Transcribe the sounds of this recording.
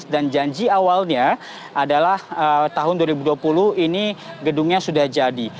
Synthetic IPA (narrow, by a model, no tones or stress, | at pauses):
sdand͡ʒaɲd͡ʒiawalɲa | ʔadalahət̪aɦʊnduaɾibuduapulʊhiniɡəduŋɲasudahd͡ʒadi